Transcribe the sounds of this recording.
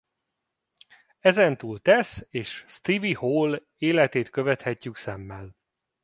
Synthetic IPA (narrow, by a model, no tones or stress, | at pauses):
ɛzɛnt̪uːlt̪ɛseːʃst̪ivihoːl | eːlɛt̪eːt̪køvɛt̪hɛcːyksɛmːɛl